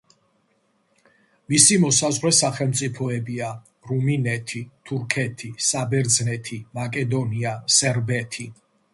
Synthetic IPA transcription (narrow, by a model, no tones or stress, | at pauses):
misimɔsazʁwɾɛsaχɛlˠmt̪sʼipʰɔɛbia | ɾuminɛt̪ʰit̪ʰuɾkʰɛt̪ʰisabɛɾd̪znɛt̪ʰimakʼɛd̪ɔniasɛɾbɛt̪ʰi